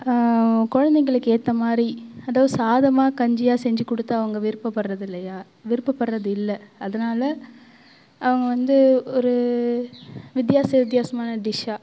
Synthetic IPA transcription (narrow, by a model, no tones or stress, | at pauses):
kɔɻɐnd̪ɛŋɡɐɭɯkːeːt̪ːɐmaːd̪ɾiɐðaːʋɐðɯsaːðɐmaːkɐɲd͡ʒɪjaːsɛɲd͡ʒɯkːɔɽɯt̪ːɐɐʋɐŋɡɐʋɪɾɯpːɐpːɐɾɾɐðɪlːɐjaː | ʋɪɾɯpːɐpːɐɾɾɐðɯɪlːɐɐðɐnaːlɐ | ɐʋɐŋɡɐʋɐnd̪ɯɔɾɯ | ʋɪd̪jaːsɐʋɪt̪̬jaːsɐmaːnɐɖɪʂaː